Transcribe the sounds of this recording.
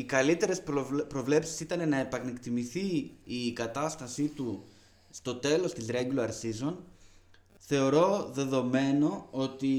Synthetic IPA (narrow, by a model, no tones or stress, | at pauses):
ikɐlit̪e̞ɾe̞spɾo̞vle̞psi̥sit̪ɐne̞nɐepɐnekt̪imiθiːkɐt̪ɐst̪ɐsit̪u | st̪o̞t̪e̞lo̞st̪izɾeɟloɐɾsizo̞n | θe̞o̞ɾo̞ðe̞ðo̞me̞no̞o̞t̪i